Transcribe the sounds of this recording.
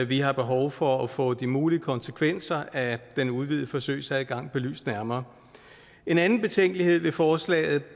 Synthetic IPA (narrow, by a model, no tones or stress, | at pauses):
ʋiɦɑ̈b̥e̝ɦɒʊfɒ̽ɒfɔ̰̽ːd̥imuːliəkʰɒ̽nsekʰʋen̰sɐæd̥enuð̞ˠʋið̰̩ˠəfɒ̽sø̰ɪ̰sæɡ̥ɑ̈ŋ̰b̥e̝ly̰ːsd̥næɐmɐː | e̝nænn̩b̥e̝t͡sʰeŋ̰ɡ̥lihe̝ð̞̰ˠʋe̝fɒːslɛ̰ːɪð̞̩ˠ